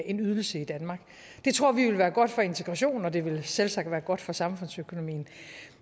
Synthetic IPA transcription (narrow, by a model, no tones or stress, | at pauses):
e̝nyð̞ˠl̩səid̥ænmɑ̈ːɡ̥ | d̥e̝t͡sʰʁo̝ɐ̰ʋiʋe̝lʋæːɐɡ̥ɒ̽d̥fɒ̽e̝nt͡sʰeɡ̥ʁɑ̈ɕo̝̰ːnɒ̽d̥e̝ʋe̝lselsɑ̈ɡ̥̚d̥ʋæːɐɡ̥ɒ̽d̥fɒ̽sɑ̈mfɔ̽n̰søkʰo̝no̝mḭːn̩